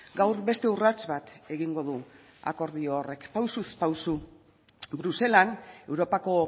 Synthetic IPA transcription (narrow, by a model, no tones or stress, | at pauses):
ɡawɾβe̞st̪e̞urat͡sβat̪e̞ɣiŋɡo̞ðu | a̰ko̞ɾðioːre̞kpawsuspawsu | bɾuse̞lane̞wɾo̞pako̞